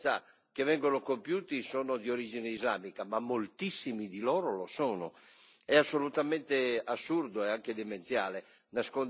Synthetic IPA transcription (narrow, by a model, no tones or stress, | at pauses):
a̰ | k̟evɛŋɡonokompjuːt̪isɔːnod̪ioɾiːd͡ʒineizla̰ːmikamamːolt̪isːimid̪ilɔːɾolosɔːno̰ | ɛasːolut̪amɛnt̪easːuɾd̪oɛaŋked̪ement̪sja̰ːle | naskon